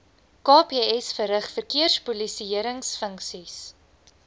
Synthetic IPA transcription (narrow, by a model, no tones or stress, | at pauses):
kɑːpeːɛsfəɾəχfərkiərspulisiiəɾəŋsfəŋksis